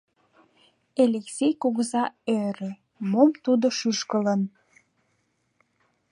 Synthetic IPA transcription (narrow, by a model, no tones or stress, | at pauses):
elʲeksejkoɣəzɑøɾe | momt̪ud̪oʃyʃkələn